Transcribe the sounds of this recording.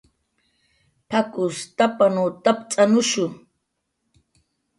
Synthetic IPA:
pʰakʊst̪apanut̪apt͡sʼanʊʃʊ

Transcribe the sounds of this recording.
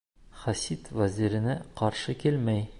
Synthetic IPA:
χæsit̪væzʲiɾɘ̆næqɒɾʃɤkilmæj

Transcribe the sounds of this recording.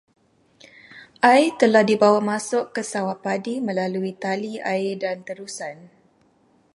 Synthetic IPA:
ʔajt̪əlahdibawamãsʊkːəsawaʔpadimə̃laluit̪aliaɪdant̪əɾusan

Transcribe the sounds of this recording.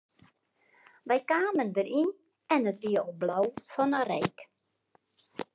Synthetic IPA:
ʋɛjkaːməndəɾin | ɛnətʋiəoblɔwfɔnərɛjk

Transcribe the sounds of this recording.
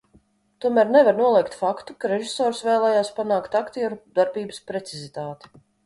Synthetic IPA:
t̪uɔmæːɾnɛvaɾnuɔlˠiɛkt̪fakt̪ukaɾeʒisoːɾsvɛːlˠɛːjaːspanaːkt̪akt̪iːɾud̪̥aɾbiːbɨspɾet̪sizit̪aːt̪i̥

